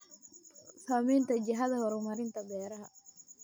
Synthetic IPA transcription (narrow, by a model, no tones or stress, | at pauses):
samiːnt̪ʰɐd͡ʒɪɦɐðɐhɔɾʊmɐɾɪnt̪ʰɐbɛːɾɐɦɐ